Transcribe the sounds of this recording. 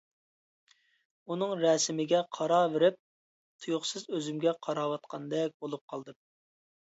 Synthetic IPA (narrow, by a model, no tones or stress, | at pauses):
unɨŋɾɛsɪmɪɡʲɛqʰɑɾɑːveɾɪp̚ | t̪ʰujʊχsɨzøzymɡʲɛqʰɑɾɑːwɑt̪̚qʰɑnd̪ɛk̚ʲbolˠup̚qʰɑlˠd̪ɨ